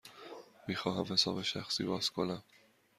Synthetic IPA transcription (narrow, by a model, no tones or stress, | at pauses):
miːxɒːɦæmhe̞sɒːbe̞ʃæxsiːbɒːz̥kʰonæm